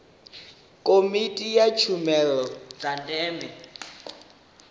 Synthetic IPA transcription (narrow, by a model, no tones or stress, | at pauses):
kʼomitʼijat͡ʃʰumɛlɔd͡zatʼɛːmɛ